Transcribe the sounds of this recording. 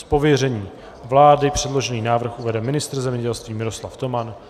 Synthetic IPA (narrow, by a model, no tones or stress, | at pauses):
spo̞vjɛrɛɲiː | vlaːdɪpr̝̥ɛdlo̞ʒɛniːnaːvr̩xʔuvɛdɛmɪnɪst̪r̩zɛmɲɛɟɛlst̪viːmɪɾo̞slaft̪o̞man